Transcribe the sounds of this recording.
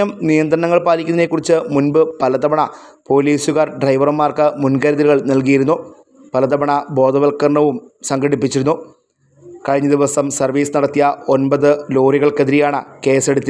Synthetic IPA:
ɐmnijɐnd̪ɾɐɳɐŋːɐɭpaːlikʲːuninekːurit͡ɕːɨmunbɨpɐlɐd̪ɐbɐɳɐpo̞ːliːsuɣɐrɖrɐjʋɐrɨmːaːrkɨmunɡɐɾɐðiɾuɣɐɭnɐlk̬ijiɾunːu | pɐlɐðɐbɐɳɐbo̞ːd̪ʱɐʋɐlkːɐrɳɐʋumsɐŋɡɐɽipːit͡ɕːiɾunːu | kɐɻiɲːɐd̪iʋɐsɐmsɐrʋiːsɨnɐɽɐt̪ːijɐo̞nbɐðɨloːriɣɐɭkeðiɾijaːɳɨke̞ːse̞ɽut̪ːi

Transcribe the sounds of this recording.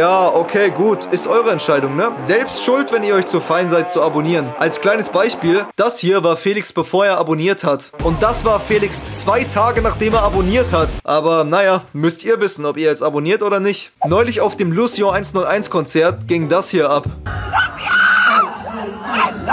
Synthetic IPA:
jaːʔokʰeːɡuːtʔɪstʔɔʏʁəɛntʃaɪdʊŋnəzɛlpstʃʊltv̥ɛniːɐɔʏçt͡sufaɪnzaɪt̚t͡suaboniːʁənʔalskl̥aɪnəsb̥aɪʃpiːld̥ashiːɐvaːɐfeːlɪksb̥əfoːɐeːɐʔaboniːɐthat | ʔʊnt̚d̥asv̥aːɐfeːlɪkst͡sv̥aɪtʰaːɡənaːχd̥eːmeːɐaboniːɐthatʔaːbɐnajamʏstʔiːɐvɪsn̩ɔpiːɐjɛt͡saboniːɐtʔoːdɐnɪçtnɔʏlɪçaʊfd̥eːmlusjɔ̃aɪnsnʊlʔa̰ɪnskʰɔnt͡sɛɐt̚ɡ̥ɪŋdashiːɐʔap

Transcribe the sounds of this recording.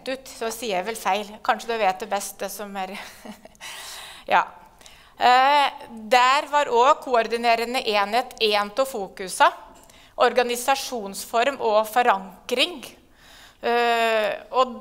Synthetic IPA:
t̪ʉːt̪sɔsiːəæʋɛlfæɪlkʰɑnʂəd̪ɛʋeːt̪̚d̪ɛbɛst̪̚d̪ɛsɔmæɾ | jɑ̰ː | d̪æɾʋɑɾɔːkʰʊɔɾd̪ɪneːɾənəʔeːnheːt̪eːnt̪ɔfuːkʉsɑ | ʔɔɾɡɑnɪsɑʂuːnsfɔɾmʔɔfɔɾɑŋkɾɪŋ | ɔ

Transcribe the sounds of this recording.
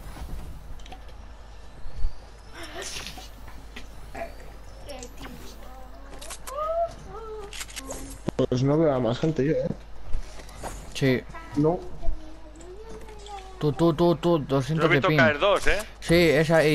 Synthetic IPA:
pes̬noβeamasxent̪eʝoe | sino | t̪ut̪ut̪ut̪ud̪osθenoet̪opinaeɾðose | sies̬ai

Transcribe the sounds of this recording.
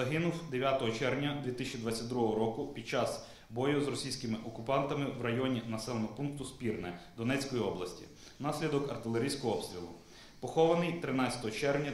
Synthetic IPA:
ɐɦɪnʊwd̪eʋʲjat̪ɔɦɔt͡ʃɛrʋnʲɐd̪ʲʋʲit̪ɪsʲt͡ʃʲid̪ʋɑt͡sʲːɐt̚ʲd̪ɾuɦɔɦɔɾɔkʊpʲid̪̥̚t͡ʃɑz | bɔjʊzɾrɔsʲijsʲkɪmɪʔɔkʊpɑnt̪ɐmɪwrɐjɔnʲinɐsɛlˠenɔɦɔpunk̚t̪ʊspʲirnɛd̪ɔnɛt͡sʲkɔjiɔblˠɐsʲtʲḭ | nɑsʲlʲid̪ɔkɐrt̪ɪlˠeɾʲijsʲkɔɦɔɔpst̪ɾʲilˠʊ | pɔxɔʋɐnɪjt̪ɾɪnɑɐ̥t̪ɔɦɔt͡ʃɛrnʲɐ

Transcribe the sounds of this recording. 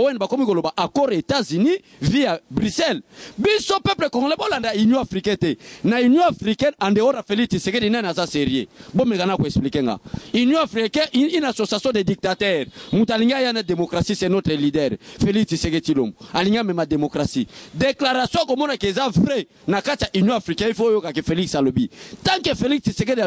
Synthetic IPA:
oɛnbakomikolobaʔakɔʁetazyni | vijabʁysɛlbisopɛplekɔŋɡlɛbolandaynjɔ̃afʁikɛ̃tɛnaynjɔ̃afʁikɛnandeonafelitisekedinanzaseʁjḛbomekanakoeksplikeŋɡa̰ynjɔ̃afikɛʔinasosjasjɔ̃dedik̚tatɛʁmutaliŋɡiajanademokʁasisɛnotʁɛlidɛʁfeliksiseketilo̰moaliŋɡamɛmademokʁasideklaʁasjɔ̃akomɔnakezavʁɛ | nakatijaʔinjɔ̃afikɛ̃ifojokakefeliksalobitãŋkefeliksiseked

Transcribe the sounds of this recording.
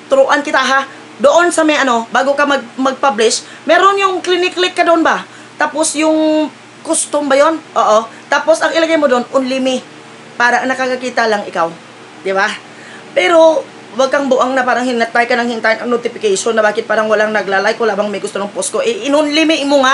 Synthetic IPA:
t̪ʊɾʊʔankɪt̪aɦa | d̪oʔonsɐmɛʔɐno̞baːɡokɐmɐɡ̚mɐɡ̚pablɪʃ | mɛːɾonjʊŋklɪnɪklɪkːɐd̪oʔonba | t̪aːposjʊŋ | kʊst̪ombɐjo̞nʔoːʔot̪aːpo̞sʔɐŋɪlɐɡajmod̪oonʔʊnlɪmɪ | paːɾɐnɐkɐkɐkiːt̪ɐlɐŋʔɪkaw | d̪ɪba | pɛːɾo̞ | wɐɡ̚kɐŋbʊʔaŋnɐpaːɾɐŋhɪnɐt̪ːajkɐnɐŋhɪnt̪aːjɪnɐŋnot̪ɪfɪkɛjʃonːɐbaːkɪt̪̚paːɾɐŋwɐlaŋnɐɡlaːlajkːolaːbɐŋmɐjɡʊst̪onʊŋposkoʔɛʔɪnʊnlɪmɪʔmoŋa

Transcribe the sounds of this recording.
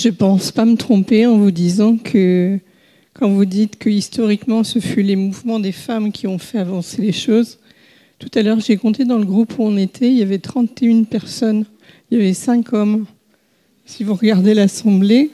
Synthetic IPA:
ʒəpɑ̃spamət̪χɔ̃peɑ̃vud̪izɑ̃kʰə | kɑ̃vud̪it̪kəist̪ɔʁikmɑ̃səfylemuvmɑ̃d̪efamkʲʰiɔ̃fɛavɑ̃seleʃoz | t̪u̥t̪alœʁʒekɔ̃t̪ed̪ɑ̃ləɡʁupuɔ̃net̪ʰɛiljavɛt̪χɑ̃t̪eynpɛʁsɔn | iljavɛsɛ̃kʰɔm | sivuʁəɡaʁd̪elasɑ̃ble

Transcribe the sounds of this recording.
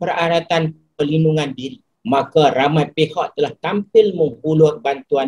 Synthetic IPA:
pəɾaɾat̪an | əlinduŋãndiɾi | makaɾamajpehaʔt̪əlaht̪ampɪlməŋhulʊrbant̪ua

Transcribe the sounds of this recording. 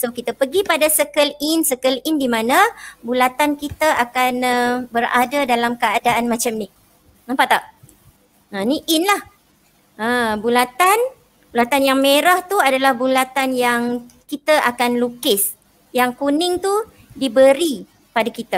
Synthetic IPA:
sokit̪əpəɡipadasəkəlɪnsəkəlɪndimãnãbulat̪ankit̪əʔakanəbəɾa̰dadalamkəadaʔanmat͡ʃamnɪh | ampaʔt̪aʔ | ə̃niʔɪnlah | əbulat̪an | bulat̪anjaŋmeɾaht̪uadalahbulat̪anjaŋkit̪aʔakanlukɪs | jaŋkunɪŋt̪u | dibəɾi | padakit̪a

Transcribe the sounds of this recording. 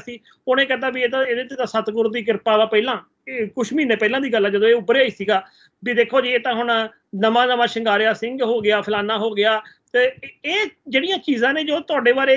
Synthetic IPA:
siː | ʊnẽːkɛt̪̬aːbieːt̪ãːeːd̪eːt̪ːeːt̪ãːsət̪ɡʊɾd̪iːk̬ɪɾpaːd̪aːpɛːlãː | kʊʃmiːneːpɛːlãːd̪iːɡəlaːd͡ʒəd̪õːeːʊbəɾeaːiːsiːɡaː | biːd̪eːkʰːoːd͡ʒiːeːt̪ãːɦʊɳ | nəmãːnəmãːʃəŋɡaːɾeaːsɪ̃ŋɡɦoːɡɪaːpʰɪlaːnãːɦoːɡɪaːt̪eːeːd͡ʒeːɽijãːt͡ʃiːzãːneːd͡ʒoːt̪ʊaːɖeːbaːɾeː

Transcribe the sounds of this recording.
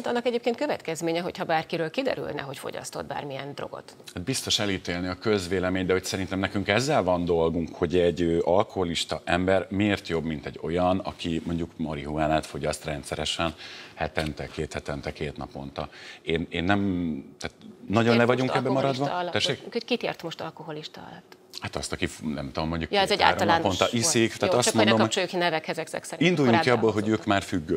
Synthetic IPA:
nt̪ɒnːɒkɛɟeːpkeːnt̪køvɛt̪kɛzmeːɲɛɦo̞chɒbaːrkiɾøːlkid̪ɛ̰ɾy̰lnɛ̰ɦo̞cfo̞̰ɟɒ̰st̪o̞d̪̚ba̰ːrmijɛnd̪ro̞̰ɡo̰t̪ | hat̪̚bist̪o̞ʃɛliːt̪eːlniɒkøzveːlɛmeːɲd̪ɛho̞csɛɾint̪ɛmnɛkyŋkɛzːɛlvɒnd̪o̞lɡuŋkho̞ɟɛɟøːʔɒlko̞ɦoliʃt̪ɒʔɛmbɛrmieːrt̪jo̞bmint̪ɛɟːo̞jɒnɒ̰kimo̞ɲɟukmɒɾiɦuaːnaːt̪fo̞ɟɒst̪rɛnt̪sɛɾɛʃɛnhɛt̪ɛnt̪ɛkeːt̪hɛt̪ɛnt̪ɛkeːt̪nɒpo̞̰nt̪ɒeːneːnːɛmt̪aːt̪nɒɟo̞nlɛvɒɟuŋkɛbːɛmɒɾɒd̪ʋɒt̪ɛʃːeːkkhockit̪ḛrt̪moʃt̪ɒlkoɦoliʃt̪ɒɒ̰lɒt̪ː | hat̪ɒst̪ɒkifnɛ̰mt̪uomːoɲɟukjɛɛa̰ːlːɾoɒmlaːnpont̪ɒʔissikt̪aːt̪ɒsmondommot͡ʃookinɛvɛkhɛzɛksɛ̰ksɛind̪ujuŋkiɒbːoːlɦo̞ɟøːkmaːrfyɡːø

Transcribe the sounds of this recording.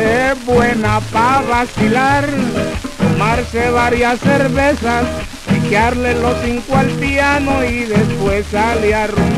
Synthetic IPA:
eβwenapaβasilaɾt̪omaɾseβaɾjasːeɾβesas | pikjaɾlelosiŋkwoalt̪janoiðespwesaljaɾu

